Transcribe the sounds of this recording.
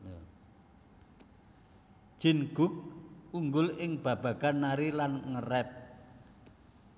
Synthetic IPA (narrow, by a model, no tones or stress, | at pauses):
d͡ʒ̥iɪ̤nɡ̥ʊ̤k̚uŋɡʊlɪŋb̥ä̤b̥ä̤ɡ̥anːaɾilanŋərɛp̚